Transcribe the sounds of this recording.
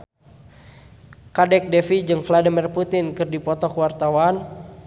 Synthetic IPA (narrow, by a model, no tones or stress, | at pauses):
kadɛk̚dɛfid͡ʒɨŋfladimirput̪ɪnkɨrdipɔt̪ɔkuwart̪awan